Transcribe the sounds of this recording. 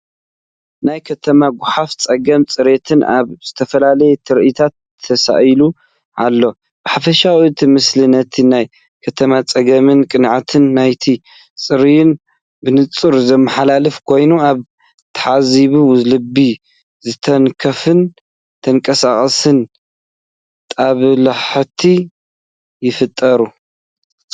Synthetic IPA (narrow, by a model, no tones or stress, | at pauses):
najkʰɐt̪ʰɐmaɡʷʊħaft͡sʼɐɡɐmt͡sʼɨɾet̪ʰɨna̰βz̥ɨt̪ʰɐfɐlalɐjet̪ʰɨɾʔit̪ʰat̪ʰːɐsa̰ʔlu | ʔalːo̞ | b̥ɨħafɐʃawit̪ʰimɨslɨnɐt̪ʰinaj | kʰɐt̪ʰɐmat͡sʼɐɡɐmɨnkʼɨnʕat̪ʰɨnːajt̪ʰi | t͡sʼɨɾijn | bɨnɨt͡sʼɨɾzɐmːɐħalalɨfkʰo̞jnuaβ | t̪ʰɐʕaziβuwzlɨbːi | zɨt̪ʰɐnkʰɐfɨn | t̪ʰɐŋkʼɐsaχʼɐsɨn | t̪ʼaβlaħt̪ʰi | jɪfɨt̪ʼːɐɾu